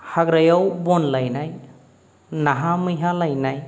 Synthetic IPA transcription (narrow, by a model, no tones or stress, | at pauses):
haɡɾajawbɔnlajnaj | naɦamɯjɦalajnaj